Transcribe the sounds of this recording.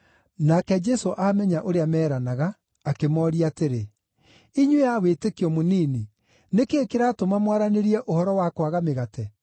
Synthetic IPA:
nakɛd͡ʒɛsoʔamɛɲaʔoɾeamɛːɾanaɣaː | kemɔːɾiaːteɾe | iɲwejawetekiɔmoniːni | nekeːkeɾaːtomamwaɾaneɾiɛʔohɔɾɔwakwaɣameɣatɛ

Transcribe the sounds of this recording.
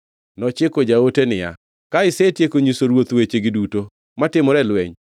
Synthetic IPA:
nɔt͡ʃɪkod͡ʒaotenɪja̰ | kaɪsetjekoɲisoɾwot̪wet͡ʃeɡɪduto | matɪmɔɾɛlwɛɲ

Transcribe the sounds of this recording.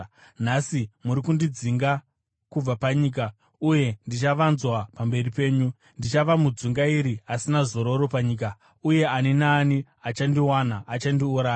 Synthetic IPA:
nasimuɾikundid͡ziŋɡa | kub͡vapaɲiːk̬a | uje̞ndit͡ʃaʋanzwapambe̞ripe̞ːɲu | ndit͡ʃaʋamud͡zuŋɡaiɾiasinazo̞ɾo̞ɾo̞paɲiːk̬a | uje̞aninaːni | at͡ʃandiwanaʔːt͡ʃandiuɾaːja

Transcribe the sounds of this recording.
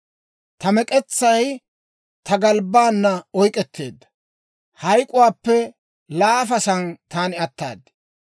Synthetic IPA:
t̪ɐmɛkʼɛt͡sːɐj | t̪ɐɡɐlbaːnːɐɔjkʼɛt̪ʰːe̞̰ːd̪ːɐ̥ | hɐjkʼʊwaːpːɛ | laːfɐsɐnt̪aːnɪɐt̪ːa̰ːd̪ɪ̥

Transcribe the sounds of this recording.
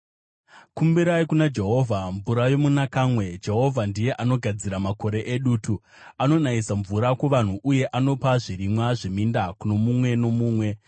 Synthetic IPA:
kumbiɾaikunad͡ʒe̞ɦo̞vʱaɱvuɾajo̞munakaːmwe̞d͡ʒe̞ɦo̞vʱandije̞ʔano̞ɡʱad͡ziɾamako̞ɾe̞ʔeɗuːtu | ano̞naisaɱvuɾakwoʋan̤uʔuje̞ʔano̞paʐiɾimwaʐimindakuno̞mumwe̞no̞muːmwe̞

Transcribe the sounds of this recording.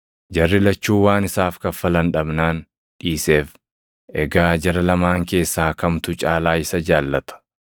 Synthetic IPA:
d͡ʒɐrːɪlɐt͡ʃːuːwaːnɪsaːfkɐfɐlɐnᶑɐbnaːn | ᶑiːseːf | ʔɛɡaːd͡ʒɐɾɐlɐmaːŋke̞ːsːaːkɐmt̪ʊt͡ʃʼaːlaːɪsɐd͡ʒaːlːɐt̪ɐ̥

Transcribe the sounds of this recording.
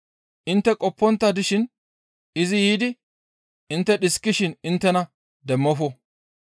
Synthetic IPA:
ʔɪnt̪ːɛkʼɔpːɔnt̪ːɐd̪ɪʃɪn | ɪzɪjiːd̪ɪ | ɪnt̪ːɛɗɪskːɪʃɪnɪnt̪ːɛnɐ | d̪ɛmːɔfɔ

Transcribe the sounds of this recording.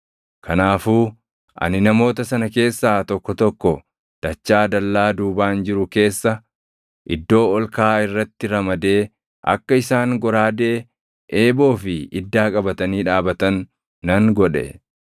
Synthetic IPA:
kʰɐnaːfuː | ʔɐ̰nɪnɐmo̞ːt̪ɐsɐnɐke̞ːsːaːt̪ɔkːɔt̪ɔkːɔ | d̪̥ɐt͡ʃːaːd̪ɐlːaːd̪uːbaːnd͡ʒɪɾʊke̞ːsːɐ | ʔɪd̪ːo̞ːɔlkaːɪrːɐt̪ːɪɾɐmɐd̪e̞ː | ʔɐ̰kːɐɪsaːŋɡɔɾaːd̪e̞ː | ʔeːbo̞ːfɪɪd̪ːaːkʼɐbɐt̪ɐniːᶑaːbɐt̪ɐnː | ɐŋɡɔᶑɛ̰

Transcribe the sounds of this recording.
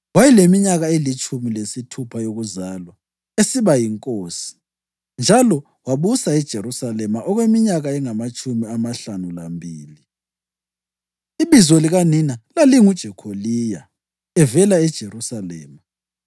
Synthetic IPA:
wajilemiɲaɣaelit͡ʃʼumilesitʰupʰajoɣuzaːlwa | esiβajiŋkʼoːsi̥ | nd͡ʒʱalɔ | waβusaɛd̥ʒ̥ʱeɾusalɛmaʔɔɣwemiɲaɣaɛŋamat͡ʃʼumiamaɬanulambʱiːli | iβizoliɣaninalaliŋud̥ʒ̥ʱɛkʰoliːja | ɛvɛlaɛd̥ʒ̥ʱeɾusalɛ̰ːma

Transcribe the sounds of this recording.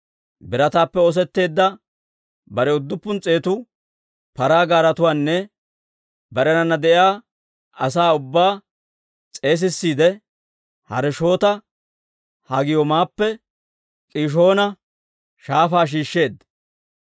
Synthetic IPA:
bɪɾɐt̪aːpːɛɔs̬ɛt̪ːe̞ːd̪ːɐ | bɐɾɛʊd̪ːʊpːʊnt͡sʼe̞ːt̪ʊ | pɐɾaːɡaːɾɐt̪ʊwaːnːɛ | bɐɾɛnɐnːɐd̪ɛʔjaː | ɐsaːʊbːaː | t͡sʼe̞ːs̬ɪsːiːd̪ɛ | hɐ̰ɾɛʃo̞ːt̪ɐ | hɐɡɪjɔmaːpːɛ | kʼiːʃ̬o̞ːnɐ | ʃaːfaːʃ̬iːʃːe̞ːd̪

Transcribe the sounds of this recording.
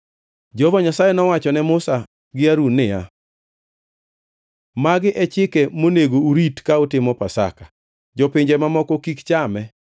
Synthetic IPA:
d͡ʒɔvɔɲasajɛnɔwat͡ʃɔnɛmʊsa | ɡɪaɾunːɪja̰ | maɡɪʔɛt͡ʃɪkɛmoneɡouɾitkaʊtɪmɔpasa̰ka | d͡ʒɔpɪɲd͡ʒɛmamɔkɔkikt͡ʃamɛ

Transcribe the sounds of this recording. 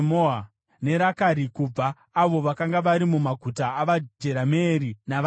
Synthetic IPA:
moa | ne̞ɾakaɾikub͡vaː | ʋo̞ʋakaŋɡaʋaɾimumaɡʱutaːʋad͡ʒe̞ɾameːɾinaʋ

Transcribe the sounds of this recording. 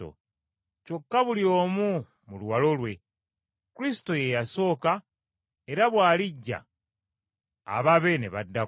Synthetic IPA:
o̰ | co̞kːaβulio̞ːmu | muluwalo̞lwe̞ | kuɾisi̥to̞jejaso̞ːka | e̞ɾaβwaːliɟːa̰ | βaβe̞ne̞̰βadːa

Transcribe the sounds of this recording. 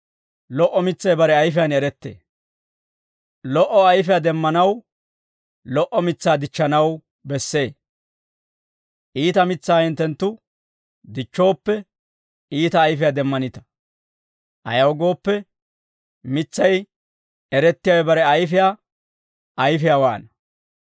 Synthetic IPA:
lɔʔɔmɪt͡sːɐjbɐɾɛɐjfɪjanɛɾɛt̪ːḛː | lɔʔɔɐjfɪjaːd̪ɛmːɐnɐw | lɔʔɔmɪt͡sːaːd̪ɪt͡ʃːɐnɐw | bɛsːe̞ː | ʔiːt̪ɐmɪt͡sːaːhɪnt̪ɛnt̪ːʊ | d̪ɪt͡ʃːo̞ːpːɛ | iːt̪ɐːjfɪjaːd̪ɛmːɐnɪt̪ɐ̥ | ʔɐ̰jɐwɡo̞ːpːɛ | mɪt͡sːɐj | ɛɾɛt̪ːɪjawɛbɐɾɛɐjfɪja | ɐjfɪjawa̰ːnɐ

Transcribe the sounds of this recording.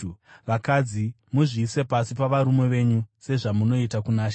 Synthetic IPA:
ʋakad͡zi | muʐiːse̞pasipaʋaɾume̞ʋe̞ɲuse̞ʐamuno̞itakunaːʃa

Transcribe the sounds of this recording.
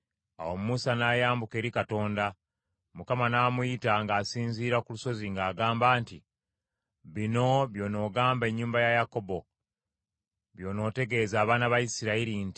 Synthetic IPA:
a̰wo̞mumusanaːjaːmbuke̞ːɾikato̞ːnda | mukamanaːmujitaŋɡaːsiːnziːɾakuluso̞ziŋɡaːɡaːmbaːnti | βino̞βjo̞ːno̞ːɡaːmbe̞ɲːuːmbajajako̞bo̞ | βjo̞ːno̞ːte̞ɡe̞ːzaːβaːnaβajisiɾaiɾinti

